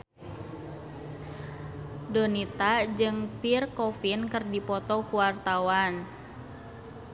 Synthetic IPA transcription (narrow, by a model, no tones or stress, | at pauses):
dɔnit̪ad͡ʒɨŋpirkɔfinkɨrdipɔt̪ɔkuwart̪awan